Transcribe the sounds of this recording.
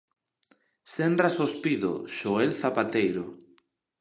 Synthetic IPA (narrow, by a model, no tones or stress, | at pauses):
sendɾasospiðo̰ʃoelθapat̪ejɾo